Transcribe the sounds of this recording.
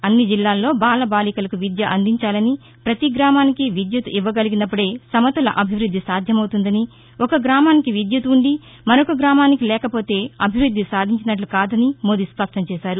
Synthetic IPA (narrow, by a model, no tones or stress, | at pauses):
ɐnːid͡ʒilːaːlːo̞ːbaːlɐbaːlikɐlɐkuʋid̪jɐʔɐnd̪iɲt͡ʃaːlɐni | pɾɐt̪iɡɾaːmaːnikiʋid̪jɐt̪uʔiʋːɐɡɐliɡinɐpːuɽe̞ːsɐmɐt̪ɐlɐ̰ʔɐbʱiʋɾud̪ʱːisaːd̪ʱjɐmɐwt̪und̪ɐni | ɔkɐɡɾaːmaːnikiʋid̪jɐt̪uɳɖi | mɐɾokɐɡɾaːmaːnikilɛːkɐpo̞ːt̪e̞ːɐbʱiʋɾud̪ʱːisaːd̪ʱiɲt͡ʃinɐʈ̬lukaːd̪ɐnimoːd̪ispɐʂʈɐɲt͡ʃɛːʃaːɾu